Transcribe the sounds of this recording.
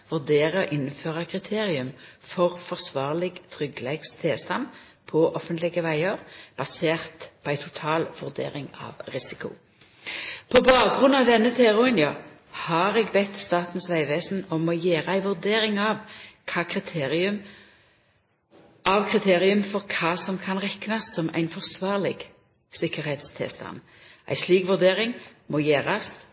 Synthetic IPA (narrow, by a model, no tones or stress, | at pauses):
ʋʉʁd̪eːʁəɔʔɪnːføːʁəkʰʁɪt̪ʰeːʁɪʉmfɔʁfɔʁsʋɑːʁlɪɡt̪ʰʁʏɡlɛɡst̪ʰeːst̪ɑm | pʰɔʔɔfənt̪lɪɡəʋæɪəʁb̥ɑseːʁt̪pʰɔæɪt̪ʰʊt̪ʰɑːlʋʉʁd̪ḛːʁɪŋɑ̰ʋʁɪsɪkʊ̰ | pʰɔbɑːk̚ɡʁʉnɑʋd̪ɛnːət̪ʰeːʁʊɪnjɑ | hɑʁɛɡbɛt̪ːst̪ɑːt̪n̩sʋæɪʋeːsnɔmɔjeːʁəæɪʋʉʁd̪eːɾɪŋɑʋkʰɑːkʰʁɪt̪ʰeːʁɪʉm | ʔɑʋkʰʁɪt̪ʰeːʁɪʉmfɔʁkʰɑːsɔmkʰɑnʁɛknɑsːɔmæ̰ɪnfɔʁsʋɑːʁlɪɡ | sɪkəʁhɛt̪st̪ʰɪ̰lst̪ʰɑ̰n | ʔæ̰ɪsliːkʋʉʁd̪eːʁɪŋmɔjeːʁɑs